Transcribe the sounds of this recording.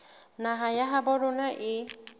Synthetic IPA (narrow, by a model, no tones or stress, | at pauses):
naɦajaɦabɔɾɔnaʔe